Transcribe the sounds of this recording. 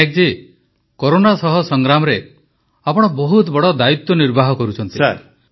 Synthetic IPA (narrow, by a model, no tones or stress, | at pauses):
ek̚d͡ʒe | koɾonasɔɦɔsɔŋɡɾamɔɾe | apɔɽ̃ɔbɔɦut̪bɔɽɔd̪ait̪ːwɔniɾbʱaɦɔkɔɾut͡ʃʰɔnt̪i